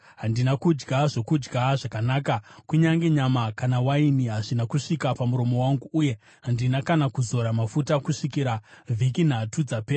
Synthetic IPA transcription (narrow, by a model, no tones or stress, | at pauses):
ɦandinakud͡ʒɡaʐo̞kud͡ʒɡʱaʐakanaːkakuɲaŋɡe̞ɲamakanawainiɦaʐinakuʂikapamuɾo̞mo̞waŋɡuːje̞ | ɦandinakanakuzo̞ɾamafutakuʂikiɾavʱikin̤atud͡zapea